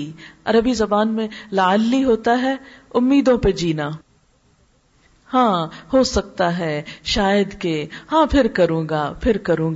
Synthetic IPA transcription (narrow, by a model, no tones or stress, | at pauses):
ɐ̰ɾəbizɐbaːnmẽlaəlːiɦoːt̪aɦɛʊmːiːd̪õped͡ʒiːnaː | hãːhosɐk̚t̪aɦɛːʃaːjəd̪kehãːpʰɪɾkɐɾũːɡaːfʰɪɾkɐɾũːɡa